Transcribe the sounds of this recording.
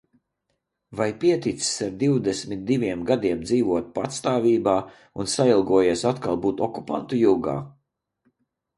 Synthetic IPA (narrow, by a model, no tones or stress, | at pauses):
vajpiɛt̪it̪ssaɾd̪iwd̪ɛsmit̪̚d̪ivʲiɛmɡad̪iɛmd̪ziːvuɔt̪̚pat̪st̪aːvʲiːbaː | unsailˠɡuɔjeɛsat̪kalˠbuːt̪ɔku̥pa̰nt̪ujuwɡa̰ː